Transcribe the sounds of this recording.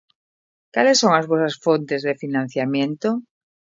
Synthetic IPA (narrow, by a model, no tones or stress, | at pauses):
kalesːoŋazβosasfont̪ezðefinãn̟θjamjẽnt̪o